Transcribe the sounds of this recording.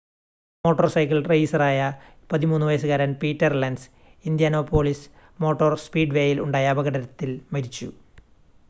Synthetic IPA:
mo̞ːʈːɐrsɐjkːɐlrejsɐraːjɐ | pɐðimuːnːuʋɐjs̬ɨɣaːɾɐnpiːtːɐrlɐnɖs | ind̪jaːno̞ːpo̞ːɭis | mo̞ːʈːorspiːɖʋeːjiluɳɖaːjɐːbɐɣɐɽɐɾɐt̪ːilmɐɾit͡ɕːṵ

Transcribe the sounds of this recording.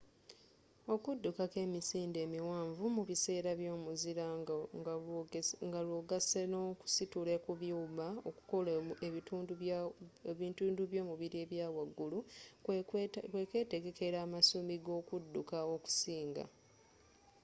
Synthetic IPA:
o̞kudːukake̞ːmisiːnde̞ːmiwaːɱvumuβise̞ːɾaβjo̞ːmuziɾa | ŋɡalwoːɡasenoku̥situle̞kuβjuːβao̰ku̥koleituːndueβiːntuːnduβjo̞ːmuβiɾie̞βjaːwaɡːulu | kweke̞ːte̞ɡe̞ke̞ɾaːmasumiɡo̞ːkudːukao̞ku̥siːŋɡa̰

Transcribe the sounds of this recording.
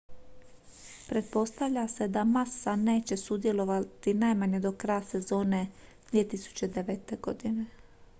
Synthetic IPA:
pɾe̞t̪̚po̞st̪aʋʎase̞d̪amasane̞ːt͡ɕe̞sud̪je̞lo̞ʋat̪inajmaɲe̞d̪o̞kɾajase̞zo̞ːne̞ | d̪ʋiet̪isu̥t͡ɕe̞d̪e̞ʋet̪e̞ɡo̞d̪ine̞

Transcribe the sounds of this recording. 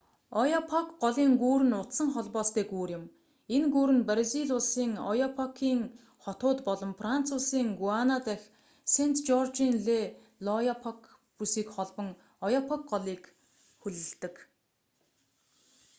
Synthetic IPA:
ɔjɔpʰɔkɢɔɮiːŋɡuːɾɘ̆nʊt̪sə̆ŋχɔɮpɔːst̪ʰeːkuːrjɪ̆m | enɡuːɾɘ̆nprziɮʊsiːŋɔ̰jɔpʰɔkʰiːŋ | χɔt̪ʊːt̪pɔɮɞ̆mfran̥t͡sʰʊːsiːŋɡuanat̪æx | sent̪ʰt͡ɕɔrt͡ɕinɮe | lɔjapʰɔk | pusiːkχɔɮpɞ̆ŋ | ɔjɔpʰɔk̚ɢɔɮiːk | xɵɮɘ̆ɮt̪ɘ̆k

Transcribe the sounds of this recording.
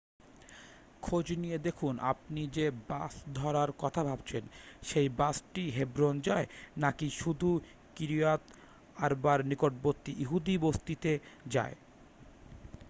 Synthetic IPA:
kʰod͡ʑnijed̪ekʰunʔa̰p̚nid͡ʑebasd̪ʱɔɾaɾkɔt̪ʰabʱabt͡ɕʰenʃejbasʈiɦebɾond͡ʑaenakiʃud̪ʱu | kiɾiat̪ | aɾbaɾnikoʈ̚bot̪ːiʔiɦud̪ibost̪it̪ed͡ʑa̰e

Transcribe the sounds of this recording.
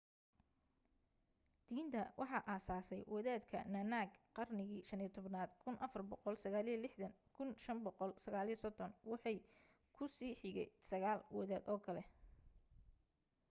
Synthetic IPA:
d̪̥iːnt̪ʰɐwʔɑħɑʔaːsaːsɛjwɐðaːd̪kʰɐ̰nɐnaːɡqɑrnɪɣiːʃɐnɪijt̪ʰɔβnaːd̪kʰʊnʔɐfɐrbɔqɔlsɐɣaːlɪjɐlɪħd̪ɐŋkʰʊnʃɐmbɔqɔlsɐɣaːlijɔsɔd̪ɔnwɑħɑj | kʰʊsiːħɪɣɛ̰jsɐɣaːlwɔðaːd̪ɔːkʰɐlɛ

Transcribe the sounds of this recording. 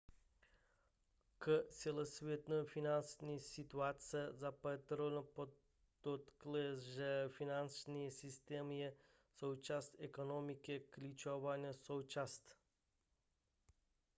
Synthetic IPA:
kəsʲɛlˠəsvɛt̪nəfinansnisit̪uat̪səzapət̪ɾolʲnəpo | d̪̥ot̪klɛzʒəfinansnijesist̪ɛmie | sout͡ʃast̪ɛkonɔmikeklʲit͡ʃɔvanʲesout͡ʃast̪

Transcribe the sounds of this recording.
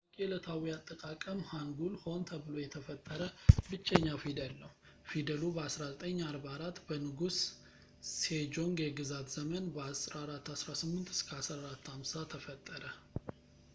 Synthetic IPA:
kʼelət̪ʰawiat̪ʼːəkʼakʼəmhaŋɡulho̞nt̪ʰəβɨlo̞jɛt̪ʰəfət̪ʼːəɾəbɨt͡ʃʼːɛɲːafid̪əlnəw | fid̪əlubəasɾazət̪ʼəɲːaɾbaɾat̪ːbənɨɡus | sed͡ʒo̞ŋɡjɛɡɨzat̪z̥əmənbəasɾaɾat̪ːasɾasɨmːɨnt̪ɨ̥skʰəasɾaɾat̪ʰːamsat̪ʰəfət̪ʼːəɾə

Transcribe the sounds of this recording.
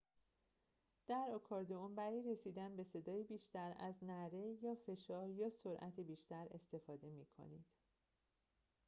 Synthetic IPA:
d̪̥æɾɒkʰɒːɾd̪oombæɾijɾe̞siːd̪ænbe̞se̞d̪ɒːjibiːʃt̪æɾæ̰znæɾe̞jɒːfe̞ʃɒːɾjɒːso̞ɾʔæt̪ʰibiːʃt̪æɾe̞̰st̪e̞fɒːd̪e̞miːkʰo̞̰niːd̪̥

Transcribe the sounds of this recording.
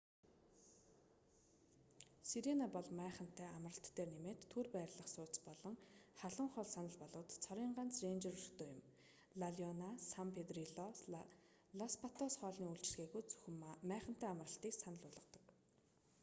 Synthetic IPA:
siɾinapɔɮmæːχə̆n̥t̪æːamərə̆ɬt̪ːeːrnemeːt̪ʰːurpæːɾɮə̆χsʊːt͡spɔɮɞ̆ŋχaɮʊ̆ɴχɔɮsanə̆ɮpɔɮʊːt̪t͡sʰɔɾʲiːɴɢan̥t͡srent͡ɕɪ̆rɵrt̪ʰoːjʊ̆m | ɮaɮjɔnasampʰet̪riɮɔ | ɮɔspʰat̪ʰɔsχɔːɮniːuɬt͡ɕɪ̆ɮɣeːɣujt͡sɵ̥xmæːχə̆n̥t̪æːamə̆rə̆ɬt̪iːksanə̆ɮʊːɮə̆t̪ɞ̥̆k

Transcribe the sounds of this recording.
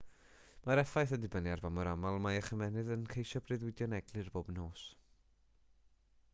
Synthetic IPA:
maɾɛfajθədɪbəniarvamɔɾamalˠmajaχəmɛnɨðənkʰejʃɔbrɨðwɪdjɔnɛɡ̥lˠɨrboːbnoːs

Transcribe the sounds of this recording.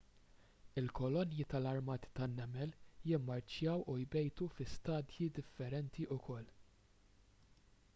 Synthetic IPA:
ɪlkɔlɔnjit̪ɐlɐɾmɐːt̪i̥t̪ɐnːɛmɛljɪmːɐɾt͡ʃjɐwʔujbɛjt̪ufɪst̪ɐːd̪jid̪ɪfːɛɾɛnt̪iʔʊkʰɔlː

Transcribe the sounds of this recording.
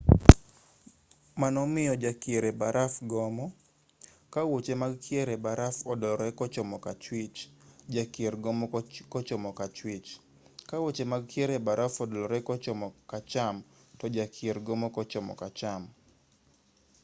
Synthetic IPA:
manɔmɪɔd͡ʒakieɾɛbaɾafɡɔmɔ | kawot͡ʃemaɡkʰieɾɛbaɾafɔdlɔɾɛkɔt͡ʃɔmɔkat͡ʃwɪt͡ʃd͡ʒakieɾɡɔmɔkɔt͡ʃɔmɔkat͡ʃwit͡ʃ | kawot͡ʃemaɡkieɾɛbaɾafɔdɔlɔɾɛkɔt͡ʃɔmɔkat͡ʃam | tɔd͡ʒakʰieɾɡɔmɔkɔt͡ʃɔmɔ̰kat͡ʃam

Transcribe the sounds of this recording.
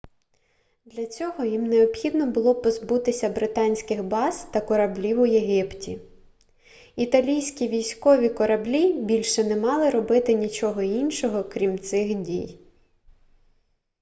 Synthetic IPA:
d̪lʲɐt͡sʲɔɦɔjimneɔbxʲid̪nɔbʊlˠɔpɔzbut̪ɪsʲɐbɾɪt̪ɑnʲsʲkɪxbɑzt̪ɐkɔɾɐblʲiwʊjeɦɪptʲi | it̪ɐlʲijsʲkʲiʋʲijsʲkɔʋʲikɔɾɐblʲibʲilʲʃɛnɛmɑlˠɪɾɔbɪt̪ɪnʲit͡ʃɔɦɔinʃɔɦɔkɾʲimt̪sɪxdʲij

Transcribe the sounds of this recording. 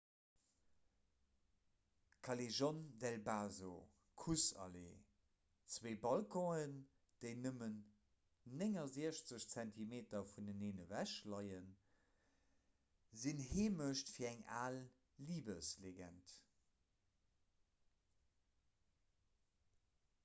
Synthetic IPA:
kʰɑleʒɔndɛlbaːzo̰ | kʰusɑ̰lḛ | t͡sweːbɑlkʰɔ̃ən | d̥eɪnəmənː | eŋɐziəɕt͡səɕt͡sæntʰimeːtɐfundəneːnəvæʃlɑɪən | zinɦeːməʃtfiːɐæŋa̰ːlː | iːbəsleɡæ̰nt

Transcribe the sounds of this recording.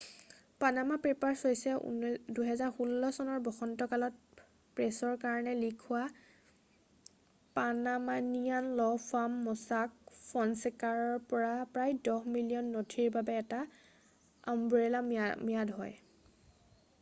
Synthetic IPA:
panamapɹipaɹsojsɛṵnduɦɛzaɹxulːɔsɔnɔɹbɔxɔntɔkalɔt̚ | pɹɛsɔɹkaɹɔnɛlikʰʊwa | panamanijanlɔfʰamːɔsak̚fʰɔnsɛkaɹɔɹpɔɹapɹajdɔhmilijɔnːotʰiɹbabɛːta | a̰mbuɹilamiadɦɔ̰j

